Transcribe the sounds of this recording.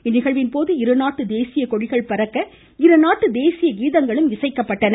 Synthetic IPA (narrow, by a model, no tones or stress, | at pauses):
ɪnːɪɣɐɭʋɪnpoːðɯɪɾɯnaːʈːɯd̪eːsɪjɐkɔɻɪɣɐɭpɐɾɐkːɐ | ɪɾɯnaːʈːɯd̪eːsɪjɐɡiːðɐŋɡɐɭɯmɪsɐɪkːɐpːɐʈːɐn